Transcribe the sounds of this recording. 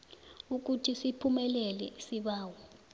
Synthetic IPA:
uk̬utʰisipʰumɛlɛlɛsiɓaːwɔ

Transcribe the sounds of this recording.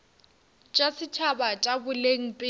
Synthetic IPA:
t͡ʃʼasɪt͡ʃʰabat͡ʃʼabʊleŋ̩pʼɪ

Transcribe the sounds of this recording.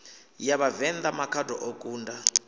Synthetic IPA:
jaβavɛnd̪amakʰadɔʔokʼuːnda

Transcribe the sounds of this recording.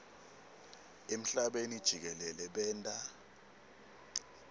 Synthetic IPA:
em̩ɬaɓenid̥ʒ̥ʱik̬ɛlɛlɛɓɛːntʼa

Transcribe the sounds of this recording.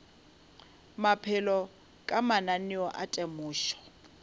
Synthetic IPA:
mapʰɪlɔ | kʼamananɪɔʔatʼɛmʊːʃɔ̥

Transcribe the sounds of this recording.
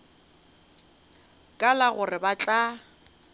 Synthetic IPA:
kʼalaɣʊrɪbat͡ɬʼa

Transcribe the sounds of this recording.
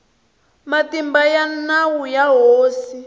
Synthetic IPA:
matimbajanawujaɦoːsi

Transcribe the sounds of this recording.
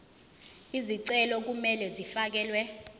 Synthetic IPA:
iziǀɛlɔk̬umɛlɛzifak̬ɛːlwɛ

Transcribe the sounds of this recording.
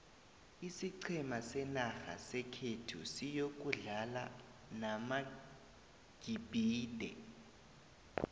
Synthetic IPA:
isiǀʰɛmasɛnaxa̰sɛkʰetʰṵsijok̬uɮala̰ | nama | ɡ̥ʱibʱiːdʱɛ

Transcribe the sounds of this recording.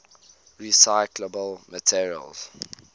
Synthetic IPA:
ɹisaɪkləbəlmətʰiɹiə̰lz̥

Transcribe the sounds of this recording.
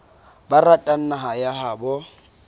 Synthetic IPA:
baratʼan̩naɦajaɦaːbɔ

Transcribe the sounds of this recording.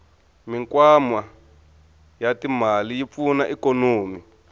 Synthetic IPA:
miŋkwamwa | jatimalijip̪funaʔikonoːmi

